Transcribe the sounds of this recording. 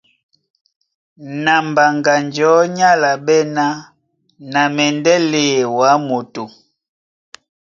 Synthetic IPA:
na˨mba˨ŋɡa˨nd͡ʒɔ˨˦ɲa˦la˨ɓɛ˦na˦ | na˨mɛ˨ndɛ˦le˨wa˨˦mo˨to˨

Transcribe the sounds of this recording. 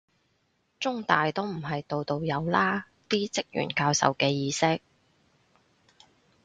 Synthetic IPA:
t͡sʊ˥ŋt̪aː˨jt̪o˥wm̩˨˩ɦɐ˨jt̪o˨˧wt̪o˨˧wjɐ˨˧wlaː˥ | t̪iː˥t͡sɪ˥k̚jy̰ː˨˩nkaː˧wsɐ̰˨wkɛː˧jiː˧sɪ˥k̚

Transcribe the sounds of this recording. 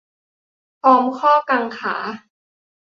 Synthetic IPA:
pʰɔː˦˥mkʰɔː˥˩kaː˧ŋkʰa̰ː˩˦

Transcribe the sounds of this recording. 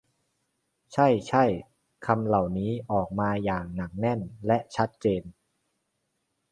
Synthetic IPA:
t͡ɕʰa˥˩jt͡ɕʰa˥˩j | kʰa˧mla˨˩wniː˦˥ʔɔː˨˩k̚maː˧jaː˨˩ŋna˩˦ŋ̚nɛ˥˩nlɛ˦˥ʔt͡ɕʰa˦˥t̪̚t͡ɕeː˧n

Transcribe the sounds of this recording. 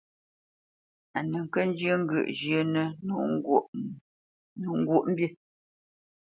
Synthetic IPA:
a˨nə˨ŋ̩˨kə˦n˦d͡ʒjə˦ŋ˦ɡə̰˨ʔd͡ʒə˦nə˦u˦˨ | nə˨ŋ̩˦ɡwu˦˨ʔm̩˦bje˦

